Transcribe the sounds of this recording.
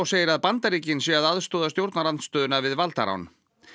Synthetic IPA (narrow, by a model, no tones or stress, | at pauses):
ɔɣseːjɪɾaðpant̪aɾiːcɪnsjɛaðaðst̪oːðast̪jowɾt̪naɾanst̪œːðʏnavɪðvalt̪a̰ɾa̰wn